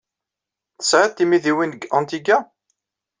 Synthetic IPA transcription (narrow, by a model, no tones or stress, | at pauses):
θə̥sʕat̪ːimiðiwinəɡɑ̃nt̪iɡa